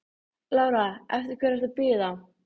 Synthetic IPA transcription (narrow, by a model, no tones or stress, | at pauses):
laːwɾaɛ̰ft̪ɪɾ̥kʰvɛːɾɛst̪apɪːðaw